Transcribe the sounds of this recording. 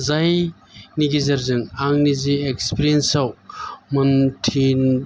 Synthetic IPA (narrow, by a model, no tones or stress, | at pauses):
zaj | niɡizɐɾzɯŋaŋniziekspiɾiensawmɯntʰin